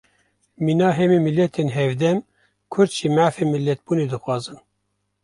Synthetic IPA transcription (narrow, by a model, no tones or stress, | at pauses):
minɑːɦɛmimilːɛt̪ʰeːnɦɛvd̪ɛm | kʰʊɾd̪ʒimæʕfeːmilːɛt̪̚b̥uːneːd̪ɨxwɑːzɨn